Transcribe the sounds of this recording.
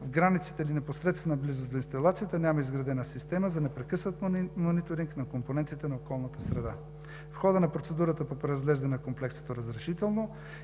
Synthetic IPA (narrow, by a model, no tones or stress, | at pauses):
vɡɾanit̪si̥t̪ɛilinɛposɾɛt̪st̪vɛnɐblizozd̪oinst̪ɐlˠat̪sijət̪ənʲaməizɡɾɐd̪ɛnəsist̪ɛməzɐnɛpɾɛkɤsnət̪monit̪oɾiŋknɐkomponɛnt̪it̪ɛnɐokɔlˠnət̪əsɾɛd̪a | fxɔd̪ənɐpɾot̪sɛd̪uɾət̪əpopɾɛɾɐzɡlɛʒd̪ɐnɛnɐkomplɛkso̥t̪oɾɐzɾɛʃit̪ɛlˠno